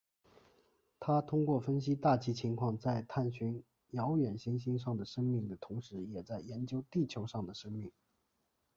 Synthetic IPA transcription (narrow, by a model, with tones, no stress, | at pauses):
t̪ʰa˥t̪ʰʊ˥ŋkwɔ˥˩fə˥nɕ̬i˥t̪a˥˩t͡ɕʰi˥t͡ɕʰi˧˥ŋkʰwɑ˥˧ŋt͡sa˥˧ɪt̪ʰa˥˩nɕy˧˥n | jɑ˧˥ʊɥɛ˨˩nɕi˥nɕ̬i˥nʂ̬ɑ˥˩ŋd̪ə˩ʂɤ˥ŋmi˥˩ŋd̪ə˩t̪ʰʊ˧˥ŋʂɻ̩˧˥jɛ˨˩t͡sa˥˩ɪjɛ˧˥nt͡ɕjo˥ʊt̪i˥˩t͡ɕʰjo˧˥ʊʂɑ˥˩ŋd̪ə˩ʂɤ˥ŋmi˥˩ŋ